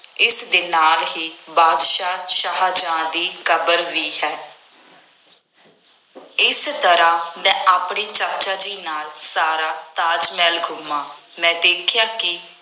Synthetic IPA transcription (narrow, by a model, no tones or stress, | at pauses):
ɪsd̪ɪːnaːlɦiːbaːd̪ʃaːʃaɦd͡ʒãːd̪iːkəbəɾʋiːhɛː | ɪst̪əɾãːmɛ̃ːʔaːpɳeːt͡ʃəɾt͡ʃaːd͡ʒiːnaːlsaːɾaːt̪aːd͡ʒmɛːlɡʱʊmãː | mɛ̃ːd̪eːkʰɪjaːkɪ